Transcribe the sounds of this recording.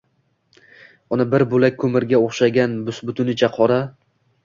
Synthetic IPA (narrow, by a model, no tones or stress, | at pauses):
ʊnɪbɪɾbʊlak̚ʲkʰːɵmɪɾɡʲaoχʃaɡʲanbʊsbʊt̪ʰʊnɪt͡ʃʰaqʰɒɾa